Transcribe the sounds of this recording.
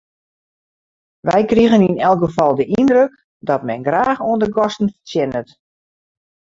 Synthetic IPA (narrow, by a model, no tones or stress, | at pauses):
ʋɛjkriɣəninɛlˠkɡəfɔlˠdəʔindrøk | dɔtmɛnɡraːxoəndəɡɔstən̩fə̥tjɛnət